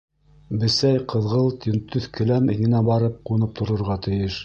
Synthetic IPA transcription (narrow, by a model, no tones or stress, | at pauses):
bɘ̆sæjqɤ̆ðʁɤlˠt̪int̪ɵθkɘ̆læmɘ̆jɘ̆næbɑɾɤp̚qŭnɤp̚t̪ʰŏɾŏɾʁɑt̪ɘ̆jɘʃ